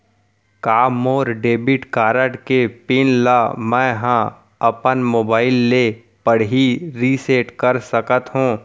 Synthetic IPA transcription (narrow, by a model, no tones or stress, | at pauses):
kaːmoːɾɖeːbɪʈkaːɾəʈkepɪnlaːmɛ̃ɦã | ɐpənmoːbaːɪlːe | pəɽɦiɾiseːʈkəɾsəkət̪ɦũː